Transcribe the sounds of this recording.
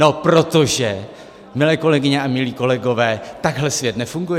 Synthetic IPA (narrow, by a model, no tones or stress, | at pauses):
no̞pɾo̞t̪o̞ʒɛ | mɪlɛːko̞lɛɡɪɲɛamɪliːko̞lɛɡo̞vɛːt̪aɡɦlɛsvjɛt̪nɛfuŋɡujɛ